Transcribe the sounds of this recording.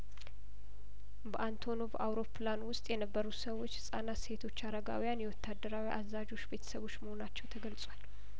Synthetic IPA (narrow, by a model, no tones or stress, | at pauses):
bəʔant̪ʰo̞no̞vawɾo̞pʰlanwʊst̪ʼjɛnəbːəɾusəwːo̞t͡ʃːhɨsʼanase̞t̪ʰo̞t͡ʃːaɾəɡa̰wijanjɛwɔt̪ʰːad̪ːəɾawiʔazad͡ʒo̞t͡ʃːbe̞t̪ʰə̥səβo̞t͡ʃːməho̞nat͡ʃːɛwt̪ʰəɡəlsʼwal